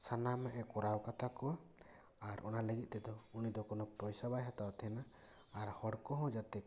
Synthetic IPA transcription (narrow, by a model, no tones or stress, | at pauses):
sanamaʔɛkɔɾawkat̪ʰakɔa | aɾʔɔ̰naləɡit̪̚ˀt̪ɛd̪ɔunid̪ɔkɔnɔpɾɔjsabajɦat̪awt̪ʰɛnaː | ɾhɔɽkɔɦɔ̃d͡ʒat̪ɛ